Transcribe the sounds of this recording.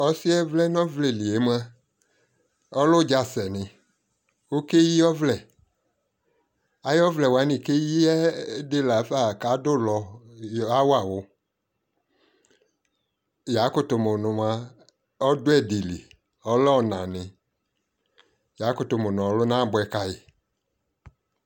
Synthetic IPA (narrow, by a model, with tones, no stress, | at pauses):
ɔ˨si˦ɛ˦vlɛ˦n˦ɔ̃˦vle˨li˨e˨˦m˦a˦ | ɔ˦lʊ˦d͡ʒa˨sɛ˨nɪ̃˨ | wo˦ke˦ji˦ɔ˦vlɛ˨ | a˨˦jɔ˦vlɛ˨wa˨˦nĩ˨ke˦ji˦ɛ˦de˦la˨˦fa˨ka˨˦dʊ˦lɔ˨˦a˦wa˨wʊ˨ | ja˨˦kʊ˦tʊ˨mʊ˨nʊ̃˨ma˧ | ɔ˦dʊ˦ɛ˦˨di˨li˨ | ɔ˦lɔ˦˨nã˨nɪ̃˨ | ja˨˦kʊ˨tʊ˨mʊ˨nɔ̃˨ɔ˨˦lʊ˦nã˦˨bʊ˧˦ɛ˨ka˨jɪ˨